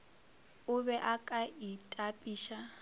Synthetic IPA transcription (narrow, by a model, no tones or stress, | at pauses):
ʊβɛʔakʼaitʼapʼiːʃa